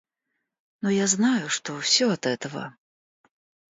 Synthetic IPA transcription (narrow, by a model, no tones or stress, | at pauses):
nujaznajuʂt̪ɔwsʲɔɐt̪ɛt̪ɐvɐ̰